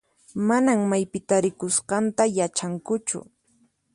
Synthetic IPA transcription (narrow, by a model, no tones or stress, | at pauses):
manaŋmajpɪt̪aɾɪkʊsqɑnt̪ajat͡ʃaŋkʊt͡ʃʊ̰